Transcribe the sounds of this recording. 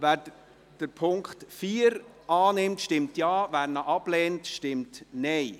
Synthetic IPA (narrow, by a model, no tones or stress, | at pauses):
ʋæːɾ | d̥əɾpʰʊŋkχtfiːəɾ | ɑːnɪmtʃtɪmtjɑːvæːɾnəʔɑb̥lɛːntʃtɪmtnɛɪ